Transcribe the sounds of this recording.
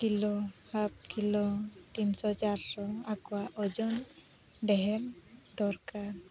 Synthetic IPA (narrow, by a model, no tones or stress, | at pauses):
kilɔhap̚kilɔt̪insɔt͡ʃaɾsɔakɔwaʔɔd͡ʒɔn | ɖɛɦɛɾd̪ɔɾkaɾ